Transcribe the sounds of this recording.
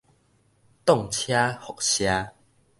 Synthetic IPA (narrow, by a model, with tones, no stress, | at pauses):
t̪ɔ˥˨ŋt͡ɕʰja˦hɔ˨k̚ɕja˦